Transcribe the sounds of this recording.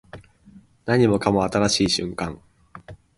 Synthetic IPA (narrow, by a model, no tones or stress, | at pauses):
naɲːimokʰamoat̪aɾaɕiːɕy̰ŋkaŋ